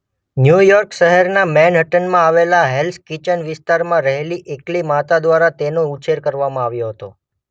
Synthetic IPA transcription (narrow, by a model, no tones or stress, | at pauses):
njujɔɾkʃəɦəɾnamɛnɦəʈənmãaʋelaɦelskit͡ʃənʋɪst̪aɾmãɾəɦeliʔeklimat̪ad̪ʋaɾat̪enout͡ʃeɾkəɾʋamãaʋjoɦət̪o